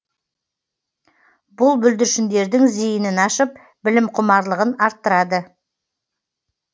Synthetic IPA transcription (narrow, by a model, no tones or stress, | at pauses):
bʊlˠbɵld̪ɪɾʃɪnd̪e̞ɾd̪ɪŋzijɪnɪnɑʃəp̚ | bɪlɪmqʰʊmɑɾlˠəʁənɑɾt̪ːəɾɑd̪ə